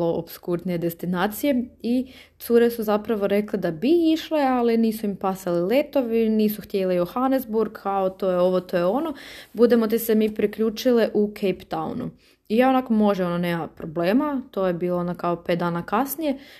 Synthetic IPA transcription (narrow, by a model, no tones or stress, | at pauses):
oo̰bskuɾd̪nije̞d̪e̞st̪inaːt̪sije̞i | t̪suɾe̞suzapɾaʋo̞ɾe̞kled̪abiiʃlealiniːsuimpasalile̞t̪o̞ʋiniːsuxt̪je̞lejoxanezbuɾɡkaot̪o̞jeoʋot̪o̞jeo̞no̞bud̪e̞mo̞t̪̬isemiːpɾikʎuːt͡ʃileʔukʰejpt̪aw̰nṵ | ijaonakomo̞ʒeononeːmapɾo̞ble̞ːmat̪o̞jebiːlˠonakaope̞t̪̚d̪aːnakasnije̞